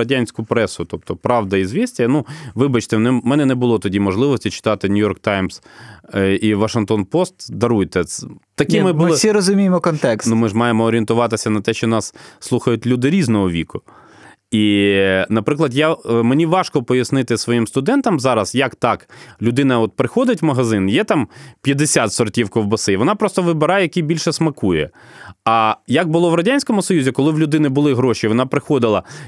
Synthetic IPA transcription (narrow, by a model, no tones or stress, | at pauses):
ɐdʲanʲsʲkʊpɾɛsʊt̪ɔp̚t̪ɔpɾɑʋd̪ɐizʋʲisʲtʲinuʋɪbɐt͡ʃt̪ɛnɛmɛnɛnɛbʊlˠɔt̪ɔdʲimɔʒlˠɪʋɔsʲtʲit͡ʃɪ̥t̪ɑt̪ɪnʲʊjɔrk̚t̪ɑjmz̥ | iʋɐʃɪnŋkt̪ɔnpɔst̪d̪ɐɾujt̪ɛt̪ɐkɪmɪbʊlˠɪsʲiɾɔzʊmʲijmɔkɔnt̪ɛksnumɪʒmɑjemɔːɾʲient̪ʊʋɑt̪ɪsʲɐnɐt̪ɛʃt͡ʃɔnɑsːlˠuxɐjʊtʲlʲud̪ɪɾʲiznɔɦɔʋʲikʊ | inɐpɾɪklˠɐd̪jamenʲiʋɑʃkɔpɔjɐsnɪt̪ɪsʋɔjimst̪ʊd̪ɛnt̪ɐmzɑɾɐsjɐkt̪ɑklʲʊd̪ɪnɐɔt̪̚pɾɪxɔd̪ɪtʲmɐɦɐzɪnjɛt̪ɑmpʲjɐd̪esʲat̪sɔrtʲiwkɔwbɐsɪʋɔnɑpɾɔst̪ɔʋɪbɪɾɑjɛjɐkʲibʲilʲʃɛsmɐkujɛ̰ɐjɐk̚bʊlˠɔʋɾɐdʲanʲsʲkɔmʊsɔjuzʲikɔlˠɪwlʲʊd̪ɪnɪbʊlˠɪɦɾɔʃiʋɔnɑpɾɪxɔd̪ɪlˠɐ